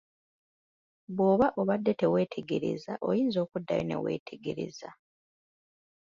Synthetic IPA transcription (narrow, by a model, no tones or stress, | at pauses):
βwo̞ːβaʔo̞βadːe̞te̞we̞ːtʰe̞ɡe̞ɾe̞̰zaʔo̞̰jiːnzo̞ːkudːa̰jo̰ne̞̰we̞̰ːtʰe̞ɡe̞ɾe̞̰za